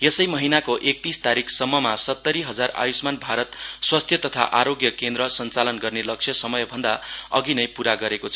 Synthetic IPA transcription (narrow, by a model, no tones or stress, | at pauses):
jesʌjmʌɦinakoʔek̚t̪ist̪aɾikʰsʌmːʌmasʌt̪ːʌɾiɦʌd͡zara̰jusmanbʱaɾʌt̪swast̪ʰjʌt̪ʌt̪ʰa̰ʔaɾoɡjʌkend̪ɾʌsʌnt͡salʌnɡʌrnelʌk̚t͡sʰjʌsʌmʌjbʱʌnd̪aʌɡinʌjpuɾaɡʌɾekot͡sʰʌ